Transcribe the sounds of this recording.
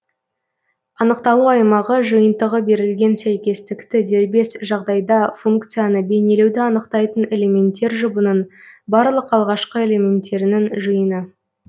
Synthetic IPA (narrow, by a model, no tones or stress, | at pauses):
ɑnəqt̪ɑlˠuɑjmɑʁəʒəjənt̪əʁəbe̞ɾɪlɡʲe̞nsæjkʲe̞st̪ɪkt̪ɪd̪e̞ɾbe̞sʒɑʁd̪ɑjd̪ɑfuŋk̚t̪sɨjanəbe̞ne̞le̞wd̪ɪɑnəqt̪ɑjt̪əne̞le̞mʲe̞nt̪ːe̞ɾʒʊbənənbɑɾlˠəqɑlˠʁɑʃqəe̞le̞mʲe̞nt̪ːe̞ɾɪnɪŋʒɨjənə